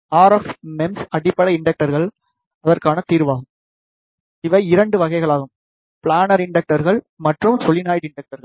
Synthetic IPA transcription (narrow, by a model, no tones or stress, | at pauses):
aːɾɐfmɛmsɐɽɪpːɐɽɐɪɳɖɐk̚ʈɐɾɣɐɭ | ɐðɐrkaːnɐt̪iːɾʋaːɣɯm | ɪʋɐɪɪɾɐɳɖɯʋɐɣɐɪɣɐɭaːɣɯm | pɪɭaːnɐɾɪɳɖɐk̚ʈɐɾɣɐɭ | mɐʈrɯmsɔlɪnaːjɽɪɳɖɐk̚ʈɐɾɣɐɭ